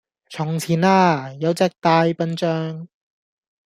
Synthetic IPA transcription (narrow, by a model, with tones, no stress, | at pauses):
t͡sʰʊ˨˩ŋt͡sʰiː˨˩naː˧jɐ˨˧˥wt͡sɛː˥k̚t̪aː˧˥jpɐ˥nt͡ʃœː˥ŋ